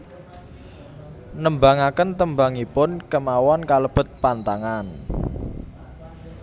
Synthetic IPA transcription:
nəmbaŋakənt̪əmba̤ŋipʊnkəmawɔnkaləb̥ʊ̤t̪̚pant̪aŋan

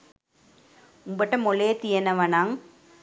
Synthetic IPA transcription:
ʊŋbɐʈːɐmɔlet̪ɪjɐnɐʋɐnaːŋ

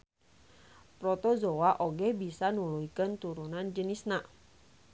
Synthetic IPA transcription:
pɾɔt̪ozowaʔoɡɛbisanuluikənt̪uɾunand͡ʒənisna

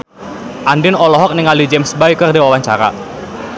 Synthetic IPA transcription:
ʔandɪnɔlɔɦɔk̚nɪŋalid͡ʒɛmsbajkərdiwawaɲt͡ʃaɾa̰

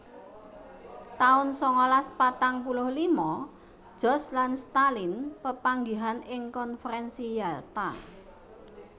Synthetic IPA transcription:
t̪aʊnsɔŋɔlaspat̪aŋpulʊhlimɔ̥ | d͡ʒ̥ɔ̤slanst̪alinpəpaŋɡiɦanɪŋkɔnfəɾɛnsijalt̪a

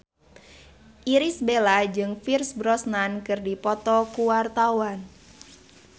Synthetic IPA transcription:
ʔiɾisbelad͡ʒɨŋfirsbɾɔsnankɨrdipɔt̪ɔkuwart̪awan

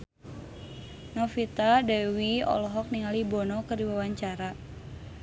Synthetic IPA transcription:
nɔfit̪adawiɔ̰lɔɦɔk̚niŋalibɔnɔkərdiwawaɲt͡ʃaɾa

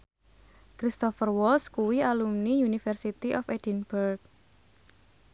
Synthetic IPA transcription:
kɾist̪ɔfərwɔlskuwialumnijunifərsit̪iʔɔfed̥inburk̚

